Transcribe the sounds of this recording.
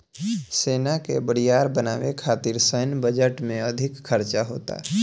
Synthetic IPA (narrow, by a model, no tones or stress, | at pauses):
seːnakebəɽijaːɾbəna̰ːʋekʰaːt̪iɾsəjnbəd͡ʒəʈmẽɐd̪ʱɪkkʰəɾt͡ʃaɦo̰ːt̪a̰ː